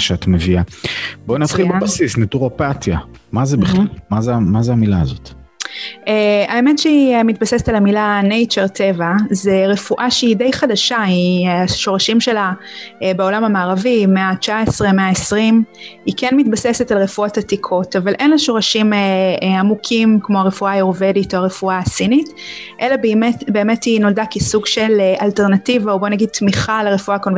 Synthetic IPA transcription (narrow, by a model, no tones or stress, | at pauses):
ʃeat̪meviabonat̪χilbebasisnetuʁapat̪ja | mazebiχalmazemazeamilaːzo̰t̪ | eaemetʃeiemit̚basesetalamilanejt͡ʃeʁtʰevazeʁe̞fuʔaʃeidejχadaʃaiaʃo̞ʁaʃimʃe̞la | beo̞lamamaːʁavimeat͡ʃaesʁemeaesʁimikenmit̚basesetalʁe̞fuotatikʰo̞tavalʔe̞nlaʃo̞ʁaʃimeamukʰimkmo̞aʁefuajoʁveditoaʁefuaːsinit | ʔe̞labemetbe̞ːme̞tino̞ldakesuɡʃe̞leʔalteʁnativaobo̞naɡid̚t̪miχaleʁefuakon